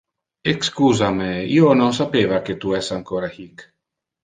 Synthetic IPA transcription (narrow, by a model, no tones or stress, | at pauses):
ekskuːzameionons̬apeːvaket̪uɛsaŋkoɾahik